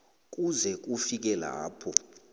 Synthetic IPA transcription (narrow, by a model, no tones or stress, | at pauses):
k̬ʼuzɛk̬ʼufik̬ɛla̰ːpʰɔ